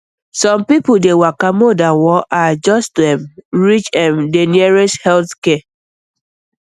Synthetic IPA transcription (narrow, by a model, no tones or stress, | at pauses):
sɔ̃mpipodewakamodawɔʔad͡ʒɔstdɛmɹit͡ʃãmdeniɛɹeshɛlθkɛ